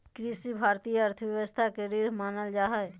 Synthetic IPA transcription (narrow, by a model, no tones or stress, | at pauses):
kɾisibʱaɾt̪ijəəɾt̪ʰəbjəʋəst̪ʰakeɾiɾmaːnəld͡ʒaːɦəj